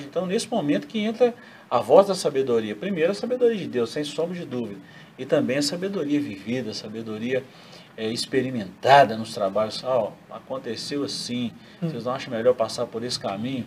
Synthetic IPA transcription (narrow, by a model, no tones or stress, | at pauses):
ẽnt̪ɐ̃w̃nesɪmomẽnt̪ʊ̥kɪẽnt̪ɾɐ | avɔzd̪ɐsabed̪oɾiɐpɾimejɾʊɐsabed̪oɾiɐd͡ʒɪd̪ewsːẽj̃sõbɾɪd͡ʒɪd̪uvid̪ɐ | ɪt̪ɐ̃mbẽj̃ɐsabed̪oɾiɐvivid̪ɐsabed̪oɾiɐ | ɛispeɾimẽnt̪ad̪ɐnʊst̪ɾabaʎʊsaa̰kõnt̪esewɐsĩ | seznɐ̃w̃aʃɐmeʎɔɾpasaɾpoɾesɪ̥kamĩɲʊ